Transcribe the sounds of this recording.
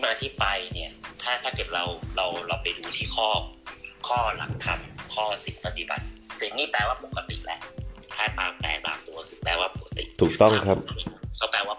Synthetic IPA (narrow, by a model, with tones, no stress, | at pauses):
maː˧t̪ʰiː˥˩pa˧jni˥˩ɐt̪ʰaː˥˩t̪ʰaː˥˩kɤ˨˩t̪̚ɾa˧wɾa˧wɾa˧wpa˧jduː˧t̪ʰiː˥˩kʰɔː˥˩kʰɔː˥˩la̰˨˩˦ŋt̪ʰa˧mkʰɔː˥˩si˨˦npa˧t̪i˨˦ba̰˨˩t̪̚si˩˦nnːiː˥˩plɛː˧waː˥˩po˨˩kːa˧t̪ḭ˨˩lɛ˦˥ʔt̪ʰaː˥˩t̪aː˧mt̪ɛ̰ː˧nt̪a̰ː˧mt̪u˧ɐkʰɯː˧˩plɛː˧waː˥˩po˨˩a˧t̪ḭ˨˩t̪ʰuː˨˩kt̪ɔ˥˩ŋ˧kʰɾa˦˥pːkʰa˦˥wpɛː˧waː˥˩